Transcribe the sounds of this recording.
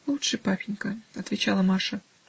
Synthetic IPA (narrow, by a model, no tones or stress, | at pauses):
lˠutʂɨpapʲinʲkɐɐt̪vʲet͡ɕalˠɐmɑʂɐ